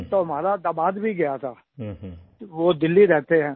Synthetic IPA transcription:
t̪oɦɐmaːɾad̪ɐmaːd̪bʱiɡɐjat̪ʰaː | ʋod̪ɪlːiɾɛɦt̪eɦɛ̃ː

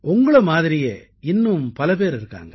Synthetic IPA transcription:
ʔʊŋɡɐɭɐmaːðɪɾɪjeː | ɪnːɯmpɐlɐpeːɾɪɾɯkːa̰ːŋɡɐ

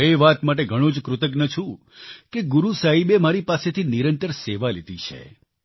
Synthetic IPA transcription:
eʋat̪maʈ̬eɡʱəɽ̃õd͡ʒkɾʊt̪ək̬nət͡ʃʰũ | keɡuɾusaɦibemaɾipaset̪ʰiniɾənt̪əɾseʋalid̪it͡ʃʰḛ

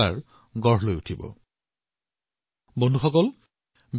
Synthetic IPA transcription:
a̰ɹ | ɡɔɹɦlojutʰibɔ̰ | bonduxɔkɔl | b

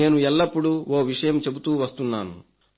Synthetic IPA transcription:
e̞ːnuɛlːɐpːuɽuoːʋiʂɐjɐmt͡ʃe̞but̪uːʋɐst̪unːaːnu

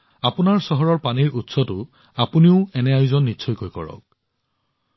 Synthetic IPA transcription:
apunaɹsɔɦɔɹɔɹpaniɹʔutsɔtʊ | apuniʊɛnɛajuzɔnːitːsʰɔjkojkɔ̰ɹɔ̰k̚

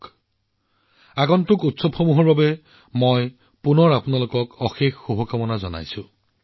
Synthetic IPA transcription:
aɡɔntʊkutsɔbxomuɦɔɹbabɛ | moj | punɔɹapʊnalʊkɔkɔxexxubʱɔkamɔnazɔna̰jsʊ̃

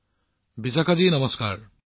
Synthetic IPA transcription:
bisakʰad͡ʒinʌmɔskaɾ

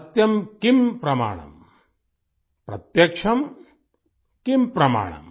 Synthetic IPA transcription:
t̪jɐmkimpɾɐma̰ːɳɐ̰m | pɾɐt̪jɐkʂʰɐm | kimpɾɐma̰ːɳɐ̰m

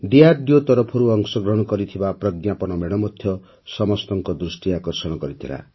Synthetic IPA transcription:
ɖiaɖjot̪ɔɾɔpʰɔɾuɔŋsɔɡɾɔɦnkɔɾit̪ʰibapɾʌɡjapɔnɔmeɽɔmɔt̪ʰjɔ | sɔmɔst̪ɔŋkɔd̪ɾusʈiakɔrsɔɽ̃ɔkɔɾit̪ʰila̰

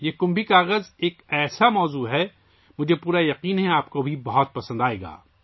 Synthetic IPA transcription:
jeːkʊ̃mbʱikaːɣəzeːkɛːsamɔːzuːɦɛ | mʊd͡ʒʱepuːɾajɐqiːnɦɛaːp̚kobʱibɐɦɔt̪̚pɐsə̃nd̪aːeːɡa̰ː

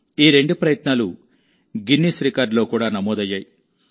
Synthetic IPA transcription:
iːɾe̞ɳɖupɾɐjɐt̪naːlu | ɡinːisɾikaːɾɖlo̞ːkuːɽaːnɐmɔːd̪ɐjːaːji

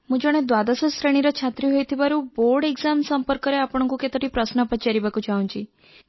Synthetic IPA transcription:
mũd͡ʒɔɽ̃ed̪wad̪asɔsɾeɽ̃iɾɔt͡ʃʰat̪ɾiɦojt̪ʰibaɾuboɾɖeɡzamsɔmpɔɾkɔɾeapɽ̃ɔ̃ŋkuket̪ɔʈipɾɔsnɔpɔt͡ʃaɾibakut͡ʃʰaũt͡ʃʰi

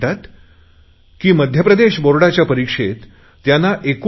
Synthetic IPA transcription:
ʈ̪at̪ | kiːməd̪ʱjəpɾəd̪eɕboɾɽat͡ɕjapəɾikʂet̪ː | janːaʔek

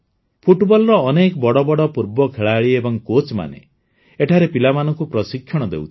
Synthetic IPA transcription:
pʰuʈbɔlɔɾɔːnekɔbɔɽɔbɔɽɔpuɾbɔkʰeɭaːɭiebɔŋkot͡ʃma̰nḛ | eʈʰaɾepilamanɔŋkupɾɔsikʰːjɔɽ̃ɔd̪ḛwt̪ʰi̥

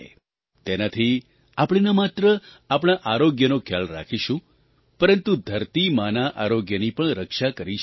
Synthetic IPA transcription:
t̪enat̪ʰi | apɽ̃inamat̪ɾə | apɽ̃aʔaɾoɡjənokʰjalɾa̰kʰiʃũ | pəɾənt̪ud̪ʱəɾt̪imanaʔaɾoɡjənipəɳɾəkʃakəɾi

